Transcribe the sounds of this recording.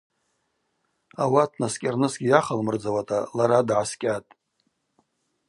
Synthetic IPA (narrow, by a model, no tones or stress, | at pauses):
awatʰnaskʲʼarnɨsɡʲijaχalmɨrd͡zawatʼalaɾadʕaskʲʼatʼ